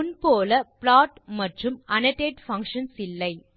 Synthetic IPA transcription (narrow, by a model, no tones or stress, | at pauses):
ʊnpoːlɐplaːʈmɐʈrɯmɐnɐʈːeːʈfɐŋkʂɐnsɪlːɐɪ